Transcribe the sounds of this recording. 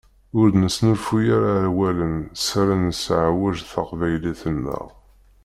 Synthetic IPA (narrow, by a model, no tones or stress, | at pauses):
ʊɾdnəsnəfujaɾaʕwælənsaɾanəsʕawæʒθɑqvæjliθənːə̰ʁ